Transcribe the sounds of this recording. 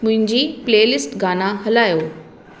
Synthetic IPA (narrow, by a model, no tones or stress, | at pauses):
mʊ̃ɦɪ̃ɲd͡ʑiːpleːlɪsʈɡaːnaɦɐlaːjoː